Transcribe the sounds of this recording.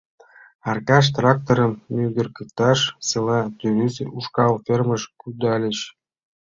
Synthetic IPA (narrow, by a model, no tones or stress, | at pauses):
ɑrkɑʃ̬t̪rɑk̚t̪oɾə̆mːød̪ɘ̆rkɤ̆kt̪ɑʃsɤlˠɑt̪yɾyzuʃkɑlfʲerməʃkyd̪ɑlʲə̆ɕ